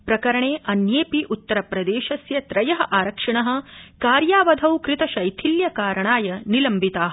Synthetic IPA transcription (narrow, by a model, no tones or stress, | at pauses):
pɾɐkɐɾɐɳeːʔɐnjeːpiʔut̪ːɐɾɐpɾɐd̪eːʃɐsjɐt̪ɾɐjɐɦɐ̆ʔaːɾɐkʂɐɳɐɦɐ̆kaːɾjaːʋɐd̪ʱɐwkɾit̪ɐʃɐjt̪ʰiljɐkaːɾɐɳaːjɐnilɐmbʱit̪aːɦɐ